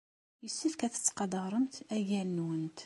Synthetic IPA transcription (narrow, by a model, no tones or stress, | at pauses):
jəsːifkæθə̥t͡sːqɑd̪ˤəʁɾˤəmt̪æʝænːwənt̪